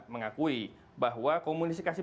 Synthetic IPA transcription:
t̪̚məŋakui | baɦwakomunisikasi

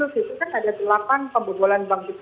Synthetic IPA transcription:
ʊsit̪ukanadat̪əlapanpəmbut̪ulanbaŋsit̪

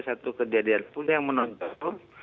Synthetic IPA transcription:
sat̪ukəd͡ʒadianpulajaŋmənɔnt̪ɔt̪u

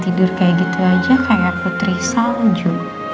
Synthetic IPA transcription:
t̪idʊrkajaɡit̪uad͡ʒakajaput̪ɾisaŋd͡ʒu

